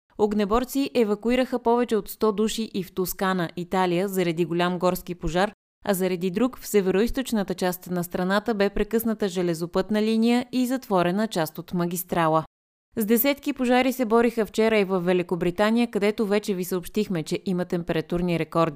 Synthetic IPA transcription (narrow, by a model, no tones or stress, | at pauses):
oɡnɛbɔɾt̪siʔɛvɐkʊiɾəxəpɔvɛt͡ʃɛot̪st̪ɔd̪uʃiʔift̪oskanəʔit̪alijəzɐɾɐd̪iɡolʲamɡɔɾskipoʒaɾ | ɐ̰zɐɾɐd̪id̪ɾukfsɛvɛɾoist̪ot͡ʃnət̪ət͡ʃast̪nɐst̪ɾɐnat̪əbɛpɾɛkɤsnət̪əʒɛlɛzopɤt̪nəlinijəʔizɐt̪vɔɾɛnət͡ʃast̪ot̪mɐɡ̟ʲist̪ɾalˠə | zd̪ɛsɛt̪kipoʒaɾisɛbɔɾixəft͡ʃɛɾəivɐfvːɛlikobɾit̪anijəkɐd̪ɛt̪ovɛt͡ʃɛvisəopʃt̪ixmɛt͡ʃɛʔimət̪ɛmpɛɾɐt̪uɾniɾɛkɔɾd̪i